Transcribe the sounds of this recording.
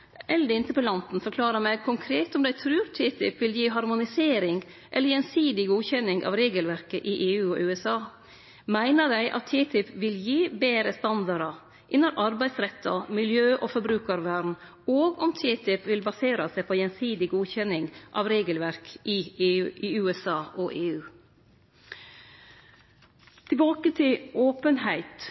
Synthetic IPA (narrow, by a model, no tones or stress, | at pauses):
ʔɛlːəd̪ɛɪnt̪əpʰɔlɑnt̪n̩fɔɾkʰlɑːɾəmɛɡ̚kʰʊŋkʰɾeːt̪ɔmd̪æɪt̪ʰɾʉːɾt̪ʰiːt̪ʰɪpːʋɪljiːɦɑɾmʊnɪseːɾɪŋ | ʔɛləɾjɛnsiːd̪ɪɡuːçɛnːɪŋʔɑ̰ʋɾeːɡəlʋæɾkəʔɪʔeːʉːɔʔʉːɛsɑː | mæɪnəd̪æɪʔɑ̰t̪ʰːiːt̪ʰɪpːʋɪljiːbeːɾəst̪ɑnd̪ɑɾɑ | ʔɪnːɔɾʔɑɾbæɪsɾɛt̪ʰːɑmɪljøːʔofɔɾbɾʉːkɑɾʋæːɾn̩ | oːɡɔmt̪ʰiːt̪ʰɪpʋɪlbɑseːɾɑsæɪpʰɔjɛnsiːd̪ɪɡuːçɛnɪŋʔɑ̰ʋɾeːɡəlʋæɾkʔɪɪʉːɛsɑːʔɔʔeːʉː | t̪ʰɪlbɑːkət̪ʰɪloːpənhæɪt̪